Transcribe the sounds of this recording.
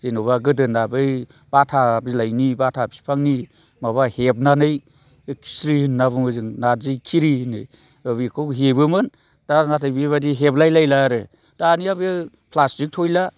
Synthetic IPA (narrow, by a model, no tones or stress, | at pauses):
zenobaɡɯdɯnabɯj | b̥atʰabilajnibatʰab̚si̥pʰaŋni | maβahep̚nanɯj | ksɾinnːabuŋɯzɯŋnazɯjkʰiɾinɯj | ɯβikʰowɦebɯmɯn | d̥anatʰajbiβadiɦeplajlajlaɾɯ | d̥aniaβi | pʰlastik̚tʰojla